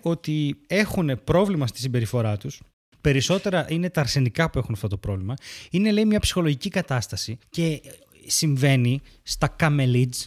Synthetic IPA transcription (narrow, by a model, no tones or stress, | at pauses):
o̞t̪ie̞xune̞pɾo̞vlimɐst̪i̥simbe̞ɾifo̞ɾɐt̪us | pe̞ɾiso̞t̪e̞ɾɐʔine̞t̪ɐːɾsenikɐpue̞xunɐft̪o̞t̪opɾo̞vlimɐine̞leimɲɐpsi̥xo̞lo̞ʝicikɐt̪ɐst̪ɐsice̞ | siɱve̞ni | st̪ɐkɐme̞lid͡z